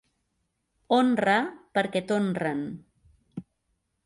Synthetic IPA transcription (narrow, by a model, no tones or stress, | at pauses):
onrapəɾkɛt̪onrən